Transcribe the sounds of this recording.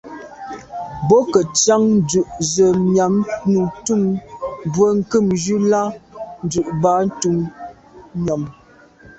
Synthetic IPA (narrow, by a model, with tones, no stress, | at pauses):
bɔ˦kə˨t͡sa˦ŋn˦dʉ˨ʔzə˨mja˨mnu˨tu˦˨ŋbwə˦ŋ̩˦kɨ˦˨md͡ʒʉ˦la˦n̩˦dʉ˨ʔba˨˦n̩˦tu˨ŋ | ɲɔ˨m